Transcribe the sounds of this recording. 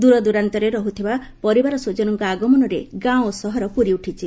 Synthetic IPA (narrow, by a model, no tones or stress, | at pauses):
d̪uɾɔd̪uɾant̪ɔɾeɾɔɦut̪ʰiba | pɔɾibaɾɔsod͡ʒɔnɔŋkɔaɡɔmɔnɔɾeɡãwosɔɦɔɾɔpuɾiuʈʰit͡ʃʰi